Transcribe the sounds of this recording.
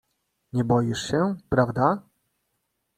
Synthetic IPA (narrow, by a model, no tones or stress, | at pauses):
ɲɛbɔjiʂɕɛpɾavd̪a